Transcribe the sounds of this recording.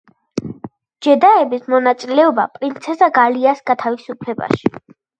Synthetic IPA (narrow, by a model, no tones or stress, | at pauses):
d͡ʒɛd̪aɛbismɔnat̪sʼilɛɔba̰pʼɾint̪sʰɛsaɡaliasɡat̪ʰavisupʰlɛba̰ʃi̥